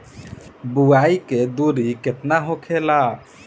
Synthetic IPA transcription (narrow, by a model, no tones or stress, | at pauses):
buajked̪uɾiket̪naɦokʰela